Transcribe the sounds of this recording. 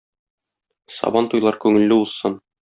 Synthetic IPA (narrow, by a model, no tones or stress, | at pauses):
sɒ̰bɑnt̪ujlˠɑɾkʉŋɘ̆lːɘuzsɤn